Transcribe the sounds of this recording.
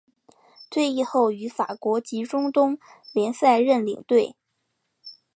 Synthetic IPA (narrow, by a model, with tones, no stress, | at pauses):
t̪ʰwe˥˧ɪi˥˧xo˥˩ʊy˧˥fa̰˨˩kwɔ˧˥t͡ɕi˧˥ʈ͡ʂʊ˥ŋt̪ʊ˥ŋ | ljɛ˧˥nsa˥˧ɪɻə˥˩nlḭ˨˩ŋt̪we˥˩ɪ